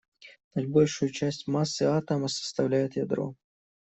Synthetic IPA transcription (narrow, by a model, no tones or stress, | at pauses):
nɐd̪ʲbolʲʂʊjʊt͡ɕæsʲtʲmasːɨat̪əməsə̥st̪ɐvlʲæjʊt̪jad̪ɾo̰